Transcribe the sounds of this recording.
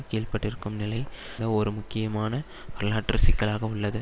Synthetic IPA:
keːlpɐʈːɪɾɯkːɯmnɪlɐɪ | ɖɐɔɾɯmʊkːɪjɐmaːnɐ | pɐɾɐlaːʈːɐɾsɪkːɐɭaːɣɐʊɭːɐðɯ

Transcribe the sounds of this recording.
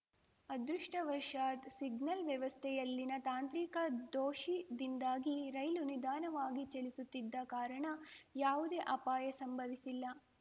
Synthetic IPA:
ɐd̪ɾuʂʈɐʋɐʂaːt̪siɡnɐlʋjɐʋɐst̪ʰɛjɐlːinɐt̪aːnt̪ɾikɐd̪oːʃid̪ind̪aːɡiɾɐjlunid̪aːnɐʋaːɡit͡ʃɐlisut̪ːid̪ːɐkaːɾɐɳɐjaːʋud̪eːʔɐpaːjɐsɐmbʱɐʋisilːɐ

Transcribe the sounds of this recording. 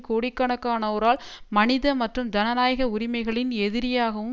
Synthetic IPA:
koːɽɪkːɐɳɐkːaːnɐʋɔɾaːlmɐnɪðɐmɐʈrɯmd͡ʒɐnɐnaːjɣɐʊɾɪmɐɪɣɐɭɪnɛðɪɾɪjaːɣɐʋɯm

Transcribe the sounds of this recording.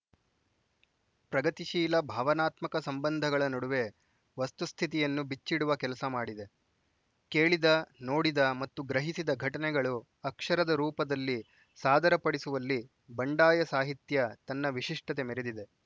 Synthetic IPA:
pɾɐɡɐt̪iʃiːlɐbʱaːʋɐnaːt̪mɐkɐsɐmbɐnd̪ʱɐɡɐɭɐnɐɽuʋe̞ | ʋɐst̪ust̪ʰit̪ijɐnːubit͡ʃːiɽuʋɐkɛlɐsɐmaːɽid̪e | ke̞ːɭid̪ɐno̞ːɽid̪ɐmɐt̪ːuɡɾɐɦisid̪ɐɡʱɐʈɐnɛɡɐɭu | ɐkʂɐɾɐd̪ɐɾuːpɐd̪ɐlːi | saːd̪ʱɐɾɐpɐɽisuʋɐlːi | bɐɳɖaːjɐsaːɦit̪jɐt̪ɐnːɐʋiʃiʂʈɐt̪e̞meɾed̪id̪e̞

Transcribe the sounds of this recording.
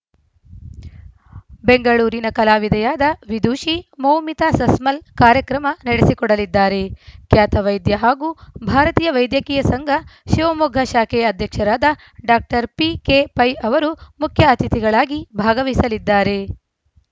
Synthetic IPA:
be̞ŋɡɐɭuːɾinɐkɐlaːʋid̪ʱɐjaːd̪ɐʋid̪uːʃimɐwmit̪aːsɐsmɐlkaːɾjɐkɾɐmɐnɐɽesikɔɽɐlid̪ːaːɾe̞kjaːt̪ɐʋɐjd̪jɐɦaːɡuːbʱaːɾɐt̪iːjɐʋɐjd̪jɐkiːjɐsɐŋɡʱɐʃiʋɐmuɡʱɐʃaːkʰeːɐd̪ʱjɐkʂɐɾaːd̪ɐ | ɖaːk̚ʈɐɾpikeːpɐjɐʋɐɾumukʰjɐɐt̪it̪iɡɐɭaːɡibʱaːɡɐʋisɐlid̪ːaːɾe

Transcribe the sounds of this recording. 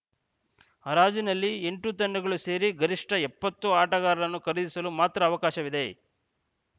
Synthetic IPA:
hɐɾaːd͡ʒinɐlːieɳʈut̪ɐɳːɐɡɐɭuse̞ːɾiɡɐɾiʂʈɐɛpːɐt̪ːuaːʈɐɣaːɾɐɾɐnːukɐɾid̪isɐlumaːt̪ɾɐːʋɐkaːʃɐʋid̪e̞

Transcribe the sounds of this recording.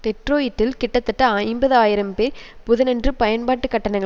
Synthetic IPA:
tɛʈɾoːjɪʈːɪlkɪʈːɐt̪ːɐʈːɐaːɪmbɐðɯaːjɪɾɐmpeːɾpʊðɐnɛndrɯpɐjɐnpaːʈːɯkːɐʈːɐnɐɪŋɐ

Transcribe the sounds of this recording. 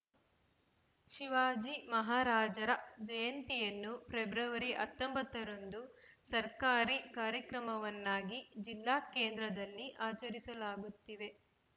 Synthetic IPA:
ʃiʋaːd͡ʒimɐɦaːɾaːd͡ʒɐɾɐd͡ʒɐjɐnt̪ijɐnːupɾebɾɐʋɐɾiʔɐt̪ːombɐt̪ːɐɾond̪u | sɐɾkaːɾikaːɾjɐkɾɐmɐʋɐnːaːɡid͡ʒilːaːkeːnd̪ɾɐd̪ɐlːiʔaːt͡ʃɐɾisɐlaːɡut̪ːiʋe̞

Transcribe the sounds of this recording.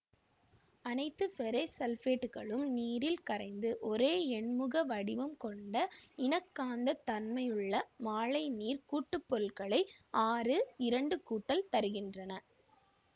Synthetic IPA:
ɐnɐɪt̪ːɯpɛɾɐsɐlfeːʈːɯɣɐɭɯmniːɾɪlkɐɾɐɪnd̪ɯʔɔɾeːɛɳmɯɣɐʋɐɽɪʋɐmkɔɳɖɐɪnɐkːaːnd̪ɐt̪ɐnmɐjɯɭːɐmaːɭɐɪniːɾkuːʈːɯpːɔɾɯlɣɐɭɐɪaːrɯɪɾɐɳɖɯkuːʈːɐlt̪ɐɾɯɣɪndrɐnɐ

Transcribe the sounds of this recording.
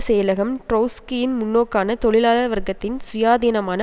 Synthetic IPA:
seːlɐɣɐmʈɾɐːskijɪnmʊnːoːkːaːnɐt̪ɔɭɪlaːlɐɾʋɐɾɡɐt̪ːɪnsʊjaːðiːnɐmaːnɐ

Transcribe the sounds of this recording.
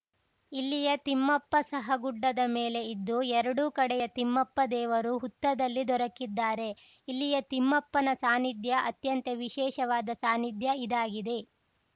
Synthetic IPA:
ilːijɐt̪imːɐpːɐsɐɦɐɡuɖːɐd̪ɐmeːle̞id̪ːuɛɾɐɽukɐɽɛjɐt̪imːɐpːɐd̪ɛːʋɐɾuɦut̪ːɐd̪ɐlːid̪ɔɾɐkːid̪ːaːɾe̞ | ilːijɐt̪imːɐpːɐnɐsaːnid̪jɐʔɐt̪jɐnt̪eʋiʃɛːʃɐʋaːd̪ɐsaːnid̪jɐid̪aːɡid̪e̞

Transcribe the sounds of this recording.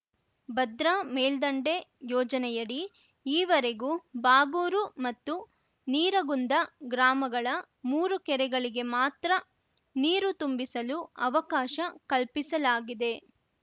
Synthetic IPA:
bɐd̪ɾɐmeːld̪ɐɳɖe̞jɔːd͡ʒɐnɛjɐɽi | iːʋɐɾeɡubaːɡuːɾumɐt̪ːu | niːɾɐɡund̪ɐɡɾaːmɐɡɐɭɐ | muːɾukɛɾɛɡɐɭiɡe̞maːt̪ɾɐ | niːɾut̪umbisɐluɐʋɐkaːʃɐkɐɭpisɐlaːɡid̪e̞

